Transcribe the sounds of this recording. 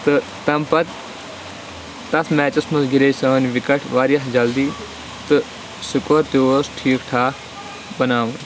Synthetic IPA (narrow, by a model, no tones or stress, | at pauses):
t̪ɨ | t̪ɐmpɐt̪ | t̪ɐsmɛːt͡ʃɐsmɐsɡiɾeːsəːnʋɪkɐʈʰʋaːɾijɐsd͡ʒɐld̪iː | t̪ɨ | sʊkoɾt̪joːsʈʰiːkʈʰaːk | bɐnaːʋɐn